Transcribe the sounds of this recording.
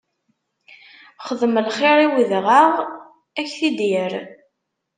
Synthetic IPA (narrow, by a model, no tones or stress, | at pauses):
χəðməlχɪɾˤiwiðʁəʁ | æçθid̪iɾ